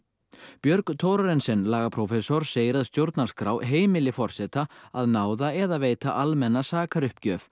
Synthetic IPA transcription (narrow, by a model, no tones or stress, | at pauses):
pjœɾkt̪ʰɔːwɾaɾɛnsɛnlaːɣapʰɾɔfɛsɔɾ̥seːjɾaðst̪jowɾt̪naɾskɾawɦeːjmɪlɪfɔr̥sɛt̪aaðnaːwðaɛðaveːjt̪aʔalmɛnːasaːkaɾʏhpcœːf